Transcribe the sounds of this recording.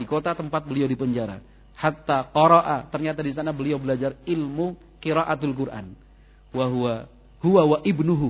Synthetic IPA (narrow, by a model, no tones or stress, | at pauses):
dikot̪at̪əmpat̪̚bəliawdipəɲd͡ʒaɾa̰ | hat̪ːaqɔɾaʔat̪ərɲat̪adisanabəliawbəlad͡ʒarɪlmu | kiɾaʔat̪alk̬urʔa̰n | waɦuwa | huwawaʔɪbnuɦu